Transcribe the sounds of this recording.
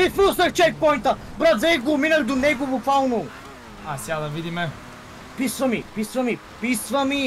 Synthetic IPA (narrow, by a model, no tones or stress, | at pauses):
ifusɐkt͡ʃɛt̪̚pɔjnt̪ɐ | bɾad̪zɛjɡominɐld̪ʊnɛɡʊvʊfawnu | asjad̪ɐvid̪imɛ | pisvɐmipisvɐmi | pisvɐmi